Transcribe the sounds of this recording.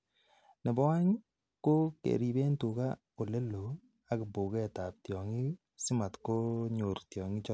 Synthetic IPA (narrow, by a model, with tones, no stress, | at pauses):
nɪ˨bɔ˦a˦ɲ | ko˦kḛ˨ɾi˨be˦ntu˨ka˦ | o˨le˦lo˨ | a˦kɪ˨bo˨kɛ˦˨ta˨p̚tjɔ˨ŋɪ˦ | sɪ˦ma˨tko˦ɲo˨ɾtjɔ˨ŋɪ˦t͡ʃɔ˦